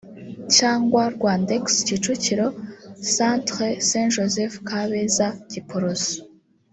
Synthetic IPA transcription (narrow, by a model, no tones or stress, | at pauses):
caːŋɡwaɾɡwaːndekscit͡ʃuciɾosantχesenʒozefkaβezaɟipuɾozi